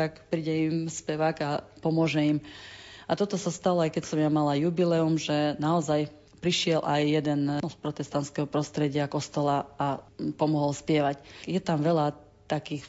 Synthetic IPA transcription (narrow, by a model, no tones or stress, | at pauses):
t̪akpɾiːɟɛimspɛʋaːɡapɔmʊɔʒɛimat̪ɔt̪ɔsast̪alɔajkɛcsɔmjamalajubilɛumʒɛnaɔzaj | pɾiʃɪɛlʔajːɛd̪ɛnspɾɔt̪ɛst̪ant̪skɛɦɔpɾɔst̪ɾɛɟɪakɔst̪ɔlaapɔmɔɦɔlspɪjɛʋacjɛt̪amʋɛla | t̪akiːx